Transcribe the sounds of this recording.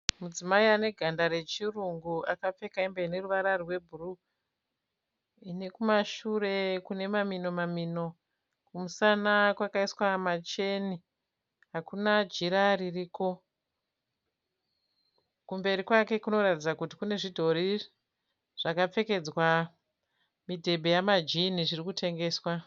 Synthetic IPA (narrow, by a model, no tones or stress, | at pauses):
mud͡zimaiane̞ɡʱandaɾe̞t͡ʃiruŋɡuakap͡fe̞kaimbaine̞ruʋaɾarrwe̞bʱuru | ine̞kumaʃure̞kune̞mamino̞mamino̞ | kumusanakwakaiswamat͡ʃe̞ni | ɦakunad͡ʒiɾaririːko̞ | kumbe̞ɾikwake̞kuno̞ratid͡zakuti̥kune̞ʐidʱo̞ɾi | ʐ̥akap͡fe̞ke̞d͡zwa | midʱe̞bʱe̞jamad͡ʒiniʐirikutʰe̞ŋɡe̞ːswa